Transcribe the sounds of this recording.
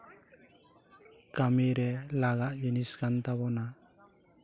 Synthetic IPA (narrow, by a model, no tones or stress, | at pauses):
kamiɾɛlaɡaʔjiniskant̪aβɔna